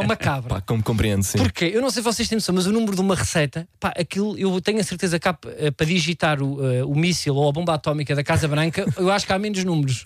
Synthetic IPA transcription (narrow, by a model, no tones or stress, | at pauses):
umɐkaβɾɐpa̰komkõmpɾiẽnd̪sĩpuɾkeewnɐ̃w̃sejsvɔseʃt̪ẽsɐ̃w̃mɐzunumɾuðumɐʁɨsɐjt̪ɐpaʔɐkilˠuewt̪ɛɲɐsɨɾt̪ezɐkapɛpɾɐðiʒit̪aɾuɛumisilˠoɐβõmbat̪ɔmikɐðɐkazɐβɾɐ̃ŋkɐewaʃu̥kamenuʒnumɾuʃ